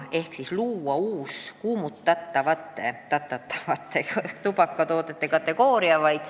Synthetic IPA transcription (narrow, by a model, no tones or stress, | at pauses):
e̞hksisluːɑuːskuːmut̪ːɑt̪ːɑvɑt̪ːˑet̪ɑt̪ːɑt̪ːɑ̥vɑt̪ˑːet̪upɑkːɑt̪o̞ːt̪ˑet̪ːekɑt̪ːˑe̞ɡoːɾiɑvɑjd̪̥